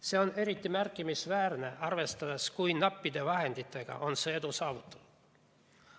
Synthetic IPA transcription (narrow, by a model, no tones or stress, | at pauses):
se̞one̞ɾit̪ːˑimærkːˑimisvæːrne̞ɑrve̞st̪ɑd̪̥eskujnɑpːid̪̥e̞vɑɦe̞nd̪it̪ːˑe̞ɡ̥ɑ̰ʔo̞nse̞ːed̪usɑːvut̪ːˑu̥l